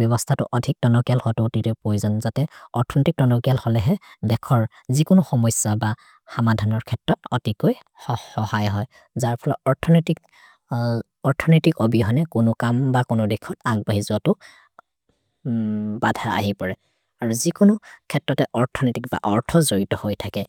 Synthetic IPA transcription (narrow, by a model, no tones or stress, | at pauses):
bjɔβɔstʰatʊ̰ʔɔdʱik̚dɔnɔkijalhɔtotitɛpɹojzɔnzatɛɔɹtʰɔnetik̚dɔnɔkijalhɔlɛɦɛdɛkʰɔɹ | zikʊnʊxɔmɔjsaba | xamadʱanɔɹkʰɛtɹɔtɔtikoj | ɔhɔhajɦɔj | zaɹpʰɔlɔɔɹtʰɔntik | ɔɹtʰɔnitikobiɦɔjnɛkʊnʊkambakʊnʊdɛkʰɔtaɡ̚baɦizuatʊ | badʱaa̰ɦipɔɹɛ | aɹuzikʊnʊkʰɛtːɹɔtɛʔɔɹtʰɔnetik̚ba̰ʔɔɹtʰɔzoɹitɔhojtʰakɛ